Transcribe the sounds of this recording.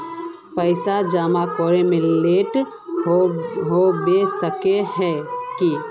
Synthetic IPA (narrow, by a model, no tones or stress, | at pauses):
pəɪsad͡ʒamakɔɾemẽleʈ | ɦobesəkeɦɛki